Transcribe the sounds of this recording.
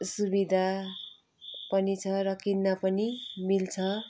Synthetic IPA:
subid̪ʱa | pʌnit͡sʰʌɾʌkinːapʌnimilt͡sʰʌ

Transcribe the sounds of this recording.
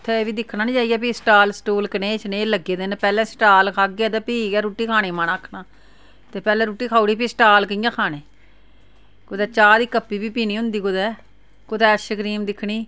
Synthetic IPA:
ʊt̪ʰːeːeːʋiːd̪ɪkʰnaːnĩːt͡ʃaːiːaɛːpiːsʈaːlsʈuːlkəneːt͡ʃneːləɡeːd̪ɪnpɛːlɛ̃ːsʈaːlkʰaːɡeːd̪ɛːpiːɡɛːɾuːʈːiːkʰaːneːmaːnaːkʰnaː | t̪eːpɛːlɛ̃ːɾuːʈːiːkʰaːuɽiːpiːsʈaːlkəjãːkʰaːnẽː | kʊd̪ɛːt͡ʃaːd̪iːkəpːiːbiːpiːniːɦʊ̃nd̪iːkʊd̪ɛː | kʊd̪ɛːəʃəkɾiːmd̪ɪkʰːɳiː

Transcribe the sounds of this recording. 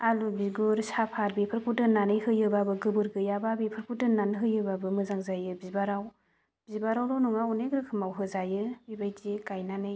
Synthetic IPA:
alubiɡuɾsapʰaɾ̚bipʰɯɾkʰudɯnanɯjɦɯjɯbabɯɡɯbɯɾɡɯjababipʰɯɾpʰudɯnanɦɯjɯbabɯmɯzaŋzajɯbibaɾaw | b̥ibaɾawɾɔwnuŋaunekɾɯkʰɯmawɦɯzajɯbibajtikajnanɯj

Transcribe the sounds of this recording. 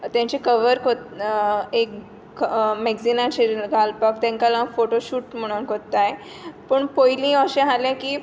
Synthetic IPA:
t̪jãɲt͡ɕekəʋəɾkot̪ | ek | mɛɡd͡zinãt͡ɕeɡʱalpək̚t̪jãŋkalafoʈoɕuːʈm̤əɽ̃uːnkot̪ːaj | pəɳpojlĩəɕẽɦaljãkiː

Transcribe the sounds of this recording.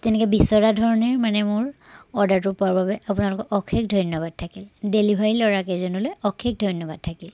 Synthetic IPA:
tɛnɛkɛbisɔɹadʱɔɹɔniɹmanɛmʊɹɔdaɹtʊpuaɹbabɛapunalʊkɔʔɔkʰekdʱɔjnɔbad̚tʰakildelibʱaɹilɔɹakɛzɔnulojɔkʰek̚dʱɔjnɔbad̚tʰakil

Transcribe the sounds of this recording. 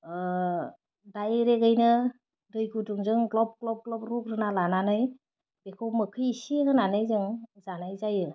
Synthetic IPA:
dajɾeɡajnɯ | dɯjɡuduŋzɯŋɡlɔp̚klɔp̚ɡlɔp̚ɾuk̚ɾɯnalananɯj | b̥ekʰɯwmɯkʰɯjisieɡɯnanɯjzɯŋzanajzajɯ

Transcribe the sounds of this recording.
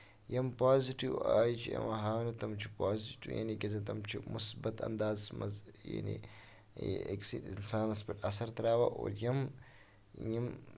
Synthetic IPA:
jɐmpaːziʈiwaːjt͡ʃʰiɐ̰mɐɦaːwnɐt̪ɐmt͡ʃʰipaːziʈijɐ̰nikʲɐzɐt̪ɐmt͡ʃʰimusbɐt̪ɐ̰nd̪aːzmɐzja̰nḭ | ḛksiʈinsaːnɐspɐʈɐsɐɾt̪ɐɾaːwɐʔo̰ːɾjɐm | jɐm

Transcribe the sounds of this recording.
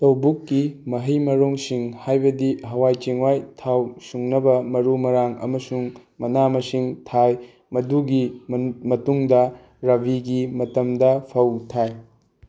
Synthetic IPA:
tɐwbukːimɐɦɐjmɐɾoŋsiŋhajbɐdiɦɐwajt͡ʃiŋwajtʰawsuŋnɐbɐmɐɾumɐɾaŋɐ̰mɐsuŋmɐnamɐsiŋtʰaj | mɐduɡimɐtuŋdɐ | ɾɐbʱiɡimɐtɐmdɐpʰɐwtʰaj

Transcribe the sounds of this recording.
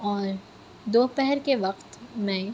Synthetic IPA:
ɔːɾ | d̪oːpɛɦɛɾkeʋɐqt̪mɛ̃

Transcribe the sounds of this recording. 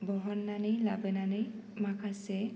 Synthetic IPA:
bɔɦɔnːanɯjlabɯnanɯjmakʰase

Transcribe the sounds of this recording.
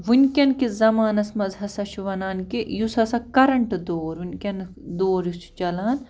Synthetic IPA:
ʋunʲkʲɐnkizɐmaːnɐsmɐzɦɐsɐʃuʋɐnaːnkijusɐsɐkɐɾɐɳʈd̪oːɾunʲkʲɐn | d̪oːɾjust͡ʃɐlaːn

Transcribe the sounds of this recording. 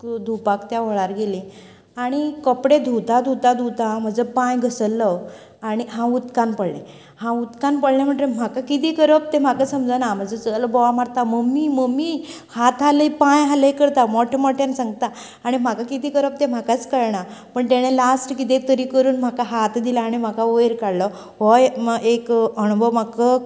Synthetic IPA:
d̪ʱupakt̪jaʋ̤əɭ̃aɾɡelĩ | aɽ̃ikɔpɽed̪ʱut̪ad̪ʱut̪ad̪ʱut̪am̤əd͡zəpãjɡʱəsəlːə | aɽ̃iɦãut̪kanpəɽɳe | hãut̪kanpəɽɳam̤əɳʈɾem̤akakit̪iːkəɾəp̚t̪em̤akasəmd͡zənam̤ad͡zət͡səlbɔʋamaɾt̪aməmiːməmiː | hat̪ɦalipãjɦalikəɾt̪amɔʈʰmɔʈʰensãŋɡt̪aː | ɽ̃im̤akakit̪iːkəɾəp̚t̪em̤akat͡skəɾɳapəɳt̪eɽ̃elasʈkit̪̬et̪əɾikəɾuːnm̤akaɦat̪d̪ilaːɽ̃im̤akaojɾkaɽlɔ | ʋɔjekəɽ̃bʱəmakə

